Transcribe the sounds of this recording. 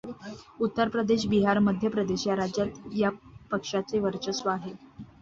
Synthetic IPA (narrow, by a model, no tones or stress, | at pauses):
ut̪ːəɾpɾəd̪eɕ̬biɦaɾməd̪ʱjəpɾəd̪eɕjaɾad͡ʑjat̪japəkʂat͡seʋəɾt͡ɕəsʋəaɦe